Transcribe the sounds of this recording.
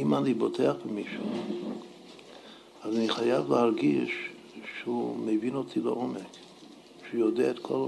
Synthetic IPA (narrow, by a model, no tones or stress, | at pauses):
imanibotʰeaχbemiʃu | azaniχajavlehaʁɡiʃ | ʃeumevino̞tʰileʔo̞mek | ʃujod̪eaet̪kʰo̞l